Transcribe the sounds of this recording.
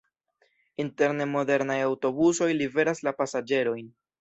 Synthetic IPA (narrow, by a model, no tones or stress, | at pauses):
inte̞ɾne̞mo̞de̞ɾnajawto̞buso̞jlive̞ɾaslapasad͡ʒe̞ɾo̞jn